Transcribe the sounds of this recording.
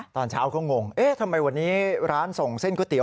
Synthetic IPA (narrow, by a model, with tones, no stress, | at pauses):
t̪ɔː˧nt͡ɕʰaː˦˥wkɔː˥˩ŋo˧ŋʔeː˦˥t̪ʰa˧mːa˧jwa˧nːiː˦˥ɾaː˦˥nso˨˩ŋse˥˩nkɔː˥˩t̪i˨˩˦